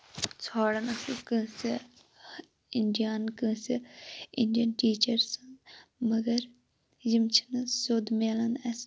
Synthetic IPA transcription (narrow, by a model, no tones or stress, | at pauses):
t͡sʰaːɽɐnɐsɨkɨ̃ːsi | iɳɖijaːnkɨ̃ːsiiɳɖijɐnʈiːt͡ʃɐɾsɐnmɐɡɐɾ | jimt͡ʃʰi̥nɐsoːd̪meːlɐnɐs